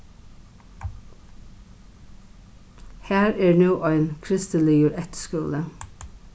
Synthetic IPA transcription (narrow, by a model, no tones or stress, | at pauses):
hæːɹɛːɹnuːʔɔʏɪnkʰɾɪst̪əliːjʊɹɛt̪skʉːlə